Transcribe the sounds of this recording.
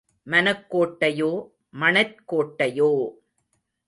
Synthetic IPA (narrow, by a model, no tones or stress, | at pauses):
mɐnɐkːoːʈːɐjoː | mɐɳɐɾkoːʈːɐjoː